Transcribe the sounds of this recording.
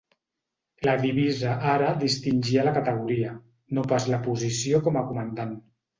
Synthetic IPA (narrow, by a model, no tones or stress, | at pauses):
laðiβ̞izaʔaɾaðist̪inʲʒialakat̪əɣ̞uɾia | nopazlapuzisiokɔmakumand̪an